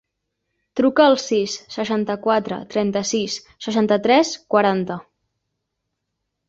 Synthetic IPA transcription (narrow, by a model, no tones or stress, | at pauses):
t̪ɾukəːlˠsisːəʃant̪əkwat̪ɾə̰t̪ɾɛnt̪əsisːəʃant̪ət̪ɾɛskwəɾant̪ə